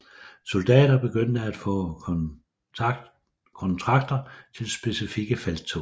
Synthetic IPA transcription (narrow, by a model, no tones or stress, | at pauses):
so̝ld̥ɛ̰ːd̥ɐb̥e̝ɡ̥øn̰d̥əæd̥fɔ̰̽ː | kʰɒ̽nt͡sʰʁɑ̈ɡ̥̚d̥ɐt͡sʰe̝lsb̥e̝sifiɡ̥əfælt͡sʰo